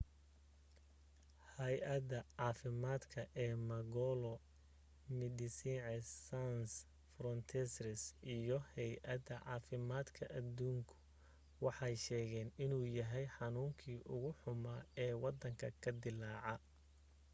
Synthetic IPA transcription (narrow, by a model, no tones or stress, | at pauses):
hɐjʔɐd̪ɐʕɑːfɪmaːd̪kʰɐʔɛːmɐɡɔlɔ | mɪd̪ɪsiːʕɛsːans | fɾɔnt̪ʰɛsɾɪsʔijɔhɛjʔɐd̪ɐʕɑːfɪmaːd̪kʰɐʔɐd̪uːŋkʰʊ̥ | wɑħɑjʃɛːɣɛːnɪnuːjɐɦɛjħɑnuːŋkʰiːʔʊɣʊħʊmaːɛːwɑd̪ɐŋkʰɐkʰɐd̪ɪlaːʕɑ